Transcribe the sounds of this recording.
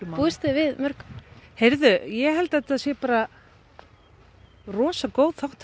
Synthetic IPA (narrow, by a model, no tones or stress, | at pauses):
mpuːðɪst̪ɪvɪðmœɾ̥khejɾðʏjɛɣɦɛlt̪ɛt̪aðsjɛpaːɾa | rɔːsakoːwð̥θawht̪